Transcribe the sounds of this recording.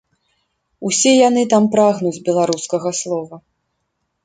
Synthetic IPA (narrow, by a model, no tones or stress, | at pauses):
usʲɛjanɨt̪ampɾaɣnud͡zʲbʲɛlˠaɾuskɐɣɐslˠɔvɐ